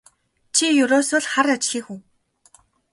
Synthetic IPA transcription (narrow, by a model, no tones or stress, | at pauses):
t͡ɕʰijɵɾoːsoːɮχaɾat͡ɕɮiːxuw